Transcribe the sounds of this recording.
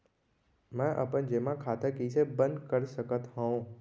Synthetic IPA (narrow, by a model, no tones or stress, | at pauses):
mɛ̃ʔə̰pənd͡ʒemãkʰaːt̪əkiːsebə̃nd̪kəɾsəkət̪hãõ